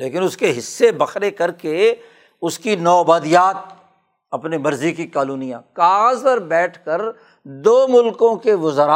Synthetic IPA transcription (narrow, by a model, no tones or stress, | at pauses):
leːkɪnʊskeɦɪsːebɐxɾekɐɾke | ʊskinɔːbaːd̪ijaːt̪̚ | ɐpnemɐɾzikikaːluːnijãkaːɣzt̪əɾbɛːʈʰkəɾ | d̪oːmʊlkõkeʋʊzɾaː